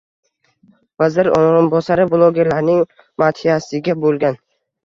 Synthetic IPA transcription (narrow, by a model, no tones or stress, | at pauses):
vazɪɾoɾɪnbɒsaɾɪblˠoɡʲe̞ɾlaɾnɪŋ | mat̪hijasɪɡʲabolˠɡʲan